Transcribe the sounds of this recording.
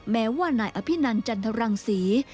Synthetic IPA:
mɛː˦˥waː˥˩naː˧jʔa˧pʰi˦˥˩na˧nt͡ɕa˧nt̪ʰa˧ɾa˧ŋsiː˩˦

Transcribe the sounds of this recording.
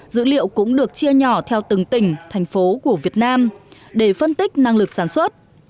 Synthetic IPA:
zɨ̰˧˥lḭ˧˨əwkʊ̰˧˥ŋ͡mɗɨ˨˩ək̚t͡ɕi˧əɲɔ˧˩t̪ʰɛ˧wt̪ɨ˨˦ŋt̪ï˧˩ŋ̟t̪ʰa˨˩jŋ̟fo˨˦ku˧˩əvi˨˩ət̚naː˧m | ɗe˧˩fə˧nt̪ï˦˥k̚na˧ŋlɨ˨˩k̚saː˧˩nswə˦˥t̚

